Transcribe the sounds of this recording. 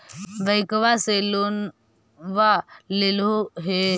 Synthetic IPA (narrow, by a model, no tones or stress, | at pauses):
ʋəjkʋaselon | ʋaleloɦe